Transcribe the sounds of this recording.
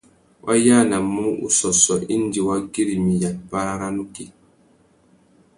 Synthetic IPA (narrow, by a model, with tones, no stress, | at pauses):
wʔa̰˦ja˦˨na˨mːu˦ṵ˨sɔ˨sɔ˨ʔi˦nd͡ʒi˨wa˦ɡi˦ɾi˨mi˨ja˨t̚pa˦ɾa˦ɾa˦nu˦ki˦